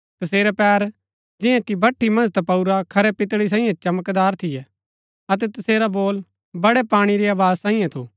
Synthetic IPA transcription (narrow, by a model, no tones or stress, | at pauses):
t̪ɐseːɾɛpɛːɾ | d͡ʒɪ̃jãkibʱɐʈʰːimɐ̃nd͡ʒt̪ɐpɐuɾakʰɐɾɛpɪt̪ɽis̬ãːĩjẽt͡ʃɐməkd̪aːɾt̪ʰɪjɛ | ɐt̪̬ɛt̪ɐseːɾaboːl | bɐɽɛpaːɽ̃iɾiaːʋaːzsãːĩjãt̪ʰuː